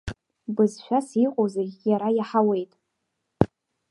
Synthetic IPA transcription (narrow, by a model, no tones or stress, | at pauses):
bɨzʃʷᶣasiqʼozejaɾajaħawe̞jtʼ